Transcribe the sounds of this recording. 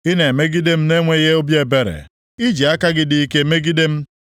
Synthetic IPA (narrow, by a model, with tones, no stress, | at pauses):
i˦ne˨e˨me˦ɡi˦de˦m̩˦ne˦ŋʷe˦ɣe˦o˦bje˨be˨ɾḛ˨ | i˦d͡ʒi˨a˦ka˦ɡɪ˦dɪ˨i˦ke˦˨˦me˦ɡi˦de˦m̩˦